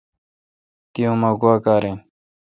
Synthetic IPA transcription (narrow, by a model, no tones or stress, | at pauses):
t̪ijõːmaːɡuaːkaːɾẽː